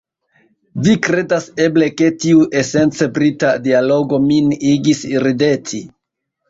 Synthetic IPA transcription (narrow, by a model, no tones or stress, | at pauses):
vikɾe̞dase̞ble̞ke̞tiuʔe̞se̞nt͡sebɾitadialo̞ɡo̞miniɡisiɾide̞tʰi